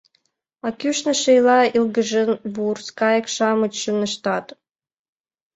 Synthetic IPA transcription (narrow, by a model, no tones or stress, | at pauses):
ɑkʲyʃnə̆ʃejlɑilɡə̆ʒənβurskɑjə̆kʃɑmə̆t͡ɕːə̆nə̆ʃt̪ɑt̪